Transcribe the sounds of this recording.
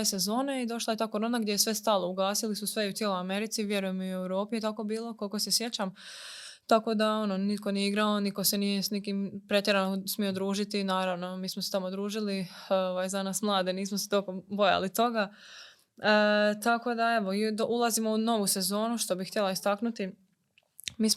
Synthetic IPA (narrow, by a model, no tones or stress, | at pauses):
ese̞zo̞ːneid̪o̞ʃlˠaje̞t̪aːkoɾo̞ːnaɡd̪ʲje̞jesʋe̞st̪aːlˠouɡaːsilisusʋe̞iut̪jelojame̞ɾit̪siʋje̞ɾujemiuewɾo̞ːpijet̪ako̞biːlˠo̞kolikosesje̞t͡ɕam | t̪ako̞d̪ao̞nonit̪ko̞nijeiɡɾaoniko̞senijesnikimpɾe̞t̪je̞ɾanosmijo̞d̪ɾuːʒit̪inaːɾaʋnomiːsmoset̪amod̪ɾuːʒilioʋajzanaːsmlˠaːd̪eniːsmose̥t̪olkombo̞ja̰lit̪o̞ɡa | t̪ako̞d̪ae̞ʋoid̪oʔulˠazimouno̞ʋuse̞zo̞ːnuʃt̪o̞bixt̪jelˠaist̪aknut̪i | miːs